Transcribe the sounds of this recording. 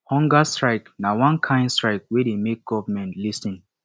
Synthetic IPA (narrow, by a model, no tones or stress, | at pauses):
hɔ̃ŋɡastɹaɪknawãnkʰãɪ̃nstɹaɪk̚wedemek̚ɡ̥ɔvamɛ̃ntlisĩn